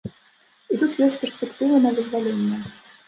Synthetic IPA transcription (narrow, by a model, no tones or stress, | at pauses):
it̪ut̪jɔsʲtʲpʲɛrsʲpʲɛkt̪ɨvənɐd̪ɨzvalʲenʲːɛ